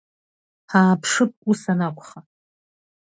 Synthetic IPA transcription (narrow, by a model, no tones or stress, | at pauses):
haːpʰʂɨp̚ʷʼusanakʷʼχa